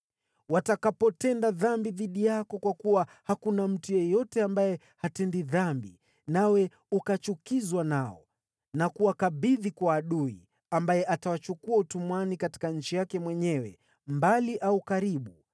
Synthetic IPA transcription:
watakapɔtɛndaðambiðiɗijakɔkwakuwahakunam̩tujɛjɔtɛambajɛ | hatɛndiðambḭ | nawɛ | ukat͡ʃukizwanaɔ̰ | nakuwakaɓiðikwaːɗuḭ | ambajɛʔatawat͡ʃukuautumwanikati̥kaɲ̩t͡ʃijakɛmwɛɲɛwɛ̰ | mbaliʔaukaɾiɓu

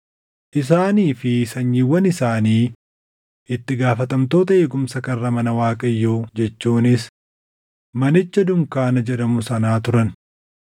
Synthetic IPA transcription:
ʔɪs̬aːniːfɪsɐɲːiwːɐnɪsaːniː | ɪt̪ːɪɡaːfɐt̪ɐmt̪o̞ːt̪ɐeːɡʊmsɐkɐrːɐmɐnɐwaːkʼɐjːoːd͡ʒɛt͡ʃːuːnɪs | mɐnɪt͡ʃːɐd̪ʊŋkaːnɐd͡ʒɛd̪ɐmʊsɐnaːt̪ʊɾɐn

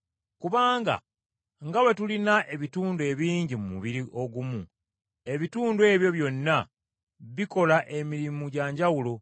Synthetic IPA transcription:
kuβaːŋɡa̰ | ŋɡawe̞tulinaʔe̞βituːndwe̞βiːɲɟimumṵβiɾiʔo̞ɡumu | e̞βituːndwe̞ːβjo̞βjo̞nːa | βiko̞laʔe̞miɾimuɟaːɲɟawulo̞

